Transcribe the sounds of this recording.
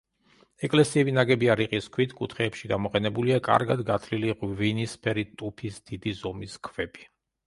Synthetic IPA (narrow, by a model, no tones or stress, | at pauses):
ɛkʼlɛsiɛbinaɡɛbiaɾiqʼiskʰwit̪ʰkʼut̪ʰχɛːpʃiɡamɔqʼɛnɛbuliakʼa̰ɾɡad̪ɡat̪ʰliliʁvinispʰɛɾit̪ʼupʰisd̪̥id̪izɔmiskʰvɛbʼi̥